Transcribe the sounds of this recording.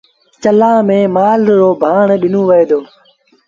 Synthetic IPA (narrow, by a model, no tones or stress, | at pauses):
t͡ʃəlãːmẽːmaːlɾoːbʱaːɳɗɪnõːʋəeːd̪oː